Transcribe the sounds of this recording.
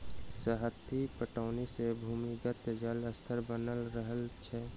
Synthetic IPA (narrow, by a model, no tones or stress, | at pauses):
səɦət̪ʰːipəʈaːnesebʱuːmiɡət̪d͡ʒələst̪ʰəɾbənəlɾəɦəlt͡ʃʰɛ